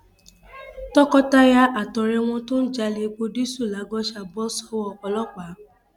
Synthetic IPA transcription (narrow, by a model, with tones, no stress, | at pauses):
tɔ˦kɔ˦ta˦ja˧ʔa˨tɔ˨ɾɛ˧w̃ɔ̃˧to˦n̩˦d͡ʒa˧le˧k͡po˧di˦su˦˨la˨˦ɡɔ˦ʃa˧bɔ˦sɔ̥˦wɔ˧ɔ˧lɔ˦k͡pa˨˦